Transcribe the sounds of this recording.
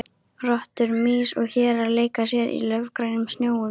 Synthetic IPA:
rɔht̪ʏɾmiːsɔɣçɛːɾaleːjkasjɛɾḭlœvkɾaːjnʏmsnjoːwʏ

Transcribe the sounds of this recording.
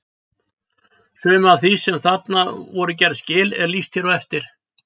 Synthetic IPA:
sʏːmʏaðθisɛmθat̪navɔɾʏcɛɾðscɪːlɛ̰ɾlist̪çɛɾɔɛft̪ɪɾ̥

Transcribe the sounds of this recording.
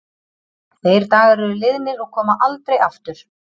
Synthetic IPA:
θejɾt̪aːɣaɾʏɾɪlɪðmɪɾɔɣkʰɔːmaʔalt̪ɾejaft̪ʏɾ̥

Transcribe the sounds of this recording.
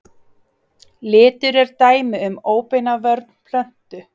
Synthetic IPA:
lɪːt̪ʏɾɛɾt̪aːjmɪʏmoːwpɪnavœɾt̪n̥pʰlœn̥t̪ʏ

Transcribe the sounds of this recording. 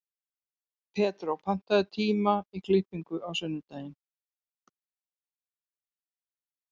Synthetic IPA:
pʰɛːt̪ɾawpʰan̥t̪aðɪt̪ʰiːmaiklihpiŋkʏʔawsʏnːɪt̪aːjɪn

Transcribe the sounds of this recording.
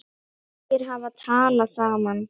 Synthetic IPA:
ɪɾɦãːʋɐt͡ʃʰãːlɐsaːmɐn

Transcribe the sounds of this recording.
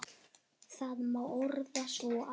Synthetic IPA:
θaðmawoɾðasvɔʔa

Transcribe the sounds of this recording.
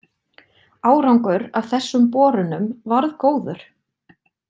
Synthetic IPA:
aːwɾawŋkʏɾawθɛsːʏmpɔːɾʏnʏmvaɾðkoːwðʏɾ̥

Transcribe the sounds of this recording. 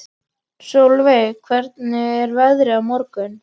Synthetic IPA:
sowlvejkʰvɛɾt̪nɪɛɾvɛðɾɪawmɔɾkʏn

